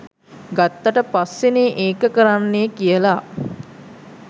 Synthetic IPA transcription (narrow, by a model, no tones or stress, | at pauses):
ɡat̪ːəʈəpasːeneːʔeːkəkəɾanːeːkijəla